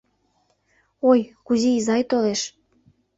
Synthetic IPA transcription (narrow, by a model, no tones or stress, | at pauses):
ojkuziːzɑjt̪oleʃ